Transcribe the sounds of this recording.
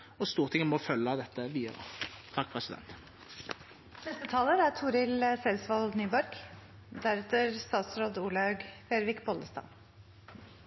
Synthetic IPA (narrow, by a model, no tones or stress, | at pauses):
ɔst̪uːʁt̪ʰɪŋmɔfœlːɑd̪ɛt̪ːəʋiːd̪ə̰ʁə̰t̪ʰɑkːpʰʁɛsɪd̪ɛ̰nt̪ | b̥ɛst̪ət̪ʰɑːləɾæt̪ʰuːɾɪləsɛlsʋɑlnyːbɔɾɡ | d̪æɾɛt̪əɾst̪ɑːt̪sɾoːd̪uːlɑʉɡfeːɾʋɪkbɔld̪əst̪ɑ̰ːn